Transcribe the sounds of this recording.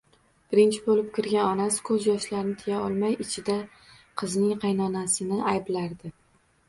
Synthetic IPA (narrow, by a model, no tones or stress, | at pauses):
b̥ɪɾɪnt͡ʃʰɪbolɪp̚kʲɪɾɡʲanɒnasɪ̥kʰɵzjɒʃlaɾnɪt̪ʰɪjaɒlˠmajɪt͡ʃʰɪd̪a | qʰɨznɪŋqʰɑjnɒnasɪnɪajblaɾd̪ɪ